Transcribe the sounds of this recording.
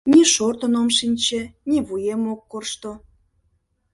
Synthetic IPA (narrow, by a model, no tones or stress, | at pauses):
nʲiʃort̪ə̆nomʃinʲt͡ɕenʲeβujemokːorʃt̪o